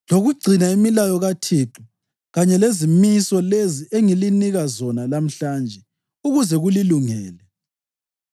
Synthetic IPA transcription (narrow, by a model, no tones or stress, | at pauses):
loɣuɡ͡ǀʱinaimilajɔɣatʰiːǁu | ɣaɲɛlezimisɔleziʔeŋiliniɣazɔnalam̩ɬaːnd͡ʒʱɛ | uɣuzɛɣuliluŋɛːlɛ